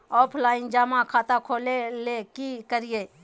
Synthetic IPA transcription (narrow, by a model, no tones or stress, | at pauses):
ɔːpʰlaːɪnd͡ʒaːmãkʰaːt̪akʰoːlelekikəɾijeː